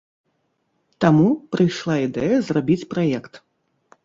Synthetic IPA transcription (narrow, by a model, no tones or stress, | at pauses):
t̪amupɾɨjʂlˠaid̪ɛjɐzrabʲit͡sʲpɾajɛkt̪